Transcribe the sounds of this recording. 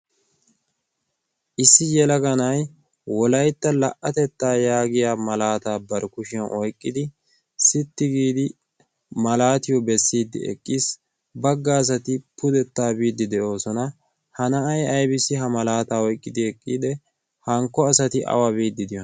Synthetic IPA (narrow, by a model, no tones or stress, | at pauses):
ʔɪsːɪjɛlɐɡɐnɐj | wɔlɐjt̪ːɐlɐʔɐt̪ɛt̪ːaːjaːɡɪjaːmɐlaːt̪aːbɐɾkʊʃɪjɐnʔɔjkʼːɪd̪ɪ | sɪt̪ːɪɡiːd̪ɪ | mɐlaːt̪ɪjɔbɛsːiːd̪ːɪ̰ɛ̰kʼːiːs | bɐɡːaːs̬ɐt̪ɪpʊd̪ɛt̪ːaːbiːd̪ːɪd̪ɛʔo̞ːsɔnɐ | hɐnɐɐjɐjbɪsɪɦɐmɐlaːt̪aːɔjkʼːɪd̪ɪɛkʼːiːd̪ɛ | hɐŋkːɔɐsɐt̪ɪʔɐ̰wabiːd̪ːɪd̪ɪjɔn